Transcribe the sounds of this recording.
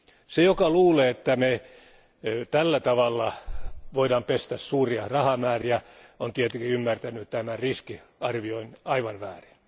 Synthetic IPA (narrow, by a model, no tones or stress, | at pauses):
sejokɑluːleːet̪ːæme | t̪ælːæt̪ɑʋɑlːɑʋoidɑmpest̪æssuːriɑrɑhɑmæːriæ | ont̪iet̪ekiymːært̪ænyt̪æmæriskiɑrʋioinɑiʋɑnʋæːrin